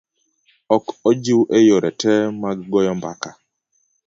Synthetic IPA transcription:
ɔkɔd͡ʒiwʔejoɾɛtɛmaɡɔjɔmba̰ka

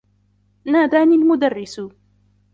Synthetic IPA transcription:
naːd̪aːnilmʊd̪arːɪs

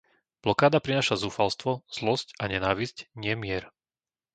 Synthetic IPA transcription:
b̥lɔkaːd̪apɾinaːʃazuːfalst̪ʋɔz̥lɔscaɲɛnaːʋizcɲɪɛmɪɛɾ

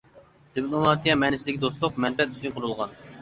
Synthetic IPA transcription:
d̪̥ɨplˠomɑt̪ʰijɛmɛnɪsɪd̪ɪkʲid̪ost̪ʊqmɛnpɛt̪̚yst̪iŋʲqʰʊɾulˠʁɑn

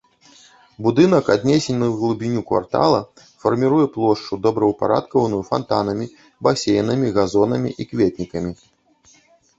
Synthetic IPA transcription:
bud̪ɨn̪ɐkad̪ʲnʲesʲenʲnɨwɣlˠubʲinʲukva̰rt̪a̰lˠɐ | fɐrmʲiɾujɛplˠɔʂt͡ʂud̪ɔbɾɐwpa̰ɾa̰t̪kɐvɐnujufa̰nt̪anɐmʲi | basʲejnɨmʲiɣazɔnɐmʲḭʔikvʲet̪ʲnʲikɐmʲi

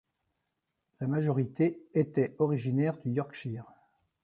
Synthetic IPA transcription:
lamaʒɔʁit̪eet̪ɛɔʁiʒinɛʁd̪yjɔʁkʃiʁ

